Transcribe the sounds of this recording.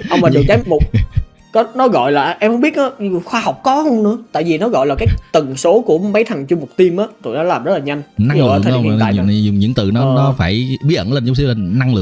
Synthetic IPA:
ʔə˧ŋ͡mmaː˨˩zɨ̰˨˩t͡ɕaː˨˦mo˨˩t̚ | kɔ˨˦nɔ˨˦ɣɔ̰˧˨jlaː˨˩ʔɛ˧mhə˧˦ŋ͡mɓi˦˥t̚nɔ˨˦˨xwaː˧ha˨˩wk͡p̚kɔ˨˦hə˧wŋ͡mnɨ̰˧˥ət̪a̰ː˧˨jvi˨˩nɔ˨˦ɣɔ̰˧˨jlaː˨˩kaː˨˦jt̪ɨ˨˩ŋso˨˦ku˧˩əma˨˦jt̪ʰa˨˩ŋt͡ɕʊ˧ŋ͡mmo˨˩k͡p̚t̪i˧əmʔaː˨˦t̪ʰo̰˨˩jnɔ˨˦laː˨˩mzə˦˥t̚laː˨˩ɲa˧jŋ̟na˧˨lɨ˨əː˨˦˩t̪ʰːa̰ː˧˨ʊ˨˩ŋ͡mɲɨ̰˧˥ŋt̪ɨ̰˨nɔ˨˦nɔ˨˦faː˧˩jɓi˦˥ət̚ʔə̰˧˩nleː˧nt͡ɕʊ˧˦ŋ͡ms̬i˧˩a˨˩na˧ŋlɨ̰˨˩˨ə

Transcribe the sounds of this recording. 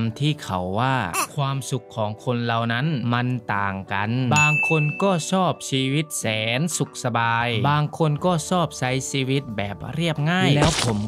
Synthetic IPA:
mt̪ʰiː˥˩kʰa̰˨˩wːaː˥˩kʰwaː˧msu˨˩kʰːɔː˩˦ŋkʰo˧nla˨˩wna˦˥nma˧nt̪aː˨˩ŋka˧nbaː˧ŋkʰo˧nkɔː˥˩sɔː˥˩p̚siː˧wi˦˥t̪̚sɛː˨˩˦nsu˨˩k̚sa˧baː˧jbaː˧ŋkʰo˧nkɔː˥˩sɔː˥˩p̚sa˦˥jsiː˧wi˦˥t̪̚bɛː˨˩p̚ɾi˥˩əp̚ŋaː˥˩jlɛː˦˥wpʰo˩˦m

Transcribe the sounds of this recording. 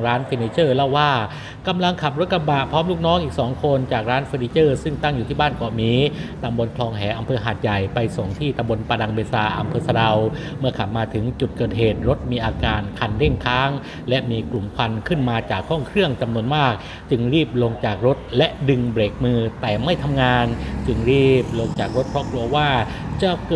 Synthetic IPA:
ɾaː˦˥nfi˧niː˧˥t͡ɕɤː˥˩la˥˩wːaː˥˩ | ka˧mla˧ŋkʰa˨˩p̚ɾo˦˥t̪̚ka˧baː˨˩pʰɔː˦˥mluː˥˩k̚nɔː˦˥ŋʔiː˨˩k̚sɔː˩˦ŋkʰo˧nt͡ɕaː˨˩k̚ɾaː˦˥nfeː˧niː˧˥t͡ɕɤː˥˩sɯ˥˩ŋt̪a˥˩ŋjuː˨˩iː˥˩baː˥˩nkɔ˨˩miː˨˦t̪a˧mbo˧nkʰlɔː˧ŋɦɛː˩˦ʔa˧mpʰɤː˧ɦaː˨˩t̪̚ja˨˩jpa˧jso˨˩ŋt̪ʰiː˥˩t̪a˧mbo˧npa˧da˧ŋbeː˧saː˧ʔa̰˧mpʰɤː˧sa˧ɾa˧w | mɯ˥˩ɐkʰa˨˩p̚maː˧t̪ʰɯ˩˦ŋt͡ɕu˨˩t̪̚kɤː˨˩t̪̚ɦeː˨˩t̪̚ɾo˦˥t̪̚miː˧ʔaː˧kaː˧nkʰa˧nle˥˩ŋkʰaː˦˥ŋ | lɛ˦˥ʔmiː˧klu˨˩mkʰa˧nkʰɯ˥˩nmaː˧t͡ɕaː˨˩kʰːɔː˥˩ŋkʰɾɯ˥˩əŋt͡ɕa˧mnu˧ənmaː˥˩k̚ | t͡ɕɯ˧ŋɾiː˥˩p̚lo˧ŋt͡ɕaː˨˩k̚ɾo˦˥t̪̚lɛ˦˥ʔdɯ˧ŋbɾeː˨˩k̚mɯː˧t̪ɛː˨˩ma˥˩jt̪ʰa˧mŋaː˧nt͡ɕɯ˧ŋɾiː˥˩p̚lo˧ŋt͡ɕaː˨˩k̚ɾo˦˥t̪̚pʰɔ˦˥kʰlu˧ɐwaː˥˩ | t͡ɕa˧˩kː

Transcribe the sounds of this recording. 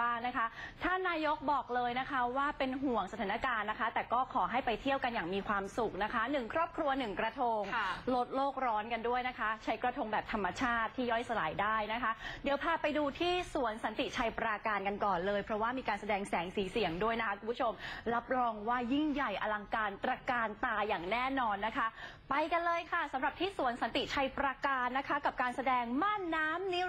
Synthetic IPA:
aː˥˩ŋna˦˥kʰa˦˥t̪ʰaː˥˩naː˧jo˦˥k̚bɔː˨˩k̚lɤː˧jna˦˥kʰa˦˥waː˥˩pe˧nɦu˨˩əŋsa˧t̪ʰaː˩˦na˧kaː˧nːa˦˥kʰa˦˥t̪ɛː˨˩kɔː˥˩kʰɔː˩˦ɦa˥˩jpa˧jt̪ʰi˥˩əwka˧njaː˨˩ŋmiː˧kʰwaː˧msu˨˩k̚na˦˥kʰa˦˥nɯ˨˩ŋkʰɾɔː˥˩p̚kʰɾu˧ɐnɯ˨˩ŋkɾa˧t̪ʰo˧ŋlo˦˥t̪̚loː˥˩k̚ɾɔː˦˥nka˧ndu˥˩əjna˦˥kʰa˦˥t͡ɕʰa˦˥jkɾa˧t̪ʰo˧ŋbɛː˨˩p̚t̪ʰa˧mːa˧t͡ɕʰaː˥˩t̪ʰːiː˥˩jɔ˥˩jsa˧laː˨˩˦jdaː˥˩jna˦˥kʰa˦˥di˨˩˦wpʰaː˧pa˧jduː˧t̪ʰiː˥˩su˨˩˦ənsa˨˩˦nt̪i˨˩t͡ɕʰa˧jpɾaː˧kaː˧nka˧nkɔː˨˩nlɤː˧jpʰɾɔ˦˥waː˥˩miː˧kaː˧nsa˧dɛː˧ŋsɛː˩˦ŋsiː˩˦si˨˩əŋdu˥˩əjna˦˥kʰa˦˥kʰu˧mpʰu˦˥t͡ɕʰo˧mɾa˦˥p̚ɾɔː˧ŋwaː˥˩ji˥˩ŋja˨˩jʔa˧la˧ŋkaː˧nt̪ɾa˧kaː˧nt̪aː˧jaː˨˩ŋnɛː˥˩nɔː˧nːa˦˥kʰa˦˥ | pa˧jka˧nlɤː˧jkʰa˥˩sa˨˩˦mɾa˨˩p̚t̪ʰiː˥˩su˨˩˦ənsa˨˦nt̪i˨˩t͡ɕʰa˧jpɾa˧kaː˧nːa˦˥kʰa˦˥ka˨˩p̚kaː˧nsa˧dɛː˧ŋmaː˥˩nːaː˦˥mni˦˥

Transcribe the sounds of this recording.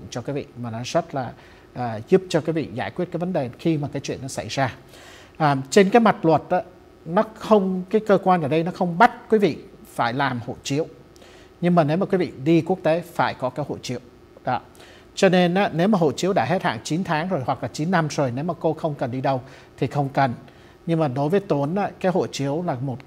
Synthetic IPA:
mt͡ɕɔ˧kwi˨˦vḭ˧˨maː˨˩nɔ˨˦zə˦˥t̚laː˨˩ | ʔəː˨˩zu˦˥p̚t͡ɕɔ˧kwvḭ˧˨zaː˧˩jkwi˦˥t̚kaː˨˦jvə˨˦nɗe˨˩xi˧maː˨˩kaː˨˦jt͡ɕwḭ˧˨ənːɔ˨˦sa̰˧˩jzaː˧ | ʔəː˨˩mt͡ɕe˧nkaː˨˦jma˨˩t̚lwə˨˩t̚ʔaː˨˦ | nɔ˨˦xə˧wŋ͡mkaː˨˦jkəː˧kwaː˧nʔəː˧˩ɗə˧jnɔ˨˦xə˧wŋ͡mɓa˦˥t̚kwi˨˦vḭ˧˨faː˧˩jlaː˨˩mho̰˧˨t͡ɕi˨˦əw | ɲɨ˧ŋmaː˨˩ne˨˦wmaː˨˩kwi˨˦vḭ˧˨ɗi˧ku˦˥ək̚t̪e˨˦faː˧˩jkɔ˨˦kaː˨˦jho̰˧˨t͡ɕḭ˧˦˥əw | ɗɔ˨˦ | t͡ɕɔ˧ne˧nʔaː˨˦ne˨˦wmaː˨˩ɦo̰˧˨t͡ɕi˧˦əwɗa̰ː˧˩ɦe˦˥t̚ha̰ː˧˩˨ŋt͡ɕi˨˦nt̪ʰaː˨˦ŋzo˨˩jhwa˨˩k̚laː˨˩t͡ɕi˨˦nːa˧mzo˨˩jne˨˦wmaː˨˩ko˧xə˧wŋ͡mkə˨˩nɗi˧ɗə˧w | t̪ʰi˨˩xə˧wŋ͡mkə˨˩n | ɲɨ˧ŋmaː˨˩ɗo˨˦jvəː˨˦jt̪u˨˦ənaː˨˦kaː˨˦jɦo̰˧˨t͡ɕi˨˦əwlaː˨˩mo˨˩t̚

